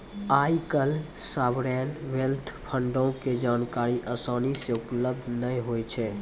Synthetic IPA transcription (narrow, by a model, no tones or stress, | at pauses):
ajkəl | sabɾɛnʋelt̪ʰpʰəɳɖõked͡ʒaːnkaɾiʔəsaːniseupləb̚d̪ʱnəjɦojt͡ʃʰɛ